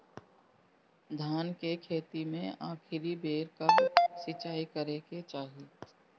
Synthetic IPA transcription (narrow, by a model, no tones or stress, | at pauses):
d̪ʱaːnkekʰeːt̪imẽaːkʰɪɾibʱeːɾkasɪt͡ʃaːikəɾeket͡ʃaːɦiː